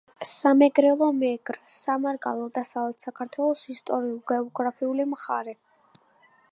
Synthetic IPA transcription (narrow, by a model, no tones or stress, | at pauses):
samɛɡɾɛlˠɔmɛɡɾsamaɾɡa̰lˠɛlˠd̪asavlɛt̪ʰsakʰaɾt̪ʰwɛlˠɔsist̪ʼɔɾiulˠɡɛɔɡɾapʰiulimχaɾɛ